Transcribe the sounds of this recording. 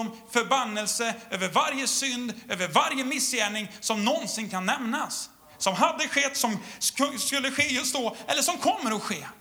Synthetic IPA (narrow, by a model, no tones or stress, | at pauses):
ɔmfœɾbanːɛlsəøːvəɾvaɾjəsʏnd̪øːvəɾvaɾjəmɪsːjæːɳɪŋsɔmnɔnsɪnkʰanːɛmnasː | ɔmɦad̪ːəɧɛt̪ːsɔmskɵlːəɧeːjɵst̪̚d̪ɔʔɛlːəʂɔmkʰɔmːəɾɔɧeː